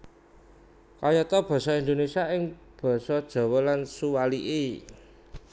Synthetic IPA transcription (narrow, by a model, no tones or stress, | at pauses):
kajɔt̪ɔb̥ɔ̤sɔind̪onesiaʔɪŋ | b̥ɔ̤sɔd̥ʒ̥ɔ̤wɔlansuwaliʔe